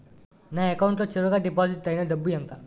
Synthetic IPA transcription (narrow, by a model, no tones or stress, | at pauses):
naːekɐwuɳʈloːt͡ʃeɾuɡaːɖipaːsiʈːɐjnɐɖɐbːujɐŋka